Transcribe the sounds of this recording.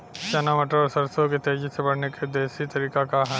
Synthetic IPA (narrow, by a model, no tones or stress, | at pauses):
ʃɐnamɐʈəɾɔːɾsɐɾsoket̪eːd͡ʒɪsebɐɽ̤neked̪eːsit̪ɐɾiːkakaɦ